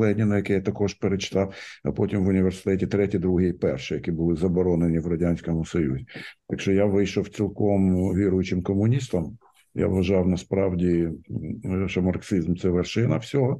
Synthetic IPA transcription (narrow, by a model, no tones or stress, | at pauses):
ɛnʲɪnɐjɐkɛjat̪ɐkɔʒpeɾet͡ʃɪ̥t̪ɑwɐ̰pɔtʲimʋʊnʲiʋʲersɪ̥t̪ɛtʲɪt̪ɾɛtʲid̪ɾuɦɪjipɛrʃɪjɐkʲibʊlˠɪzɐbɔɾɔnenʲiʋɾɐdʲanʲsʲkɔmʊsɔjṵzʲɪt̪ɐkʃɔjaʋɪjʃɔw̪t͡sʲilˠkɔmʋʲiɾʊjʊt͡ʃɪmkɔmʊnʲist̪ɐm | ja̰ʋʋɐʒɑwnɐspɾɑwdʲi | ʃɔmɐrksizmt̪sɛʋerʃɪnɐ̰fsʲɔɦɔ